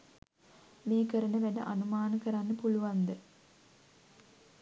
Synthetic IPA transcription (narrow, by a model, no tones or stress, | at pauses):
meːkəɾənəʋænə̰ʔanumaːnəkəɾanːəpuluʋand̪ə